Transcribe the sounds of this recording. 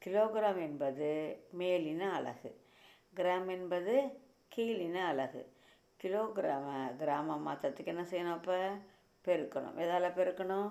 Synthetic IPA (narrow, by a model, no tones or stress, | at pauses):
kɪloːɡɪɾaːmɛnbɐðɯmeːlɪnɐɐlɐ̰ɣɯ̰ | ɡɪɾaːmɛnbɐðɯ | keːlɪnɐɐlɐɣɯ̰ | kɪloːɡɪɾaːmɐɡɪɾaːmɐmaːt̪ɐt̪ːɯkːɛnːɐsɛjːɐnɐ̃ɐpːɐ | pɛɾɯkːɐɳʊ̰̃mʔɛðaːlɐpɛɾɯkːɐɳʊ̃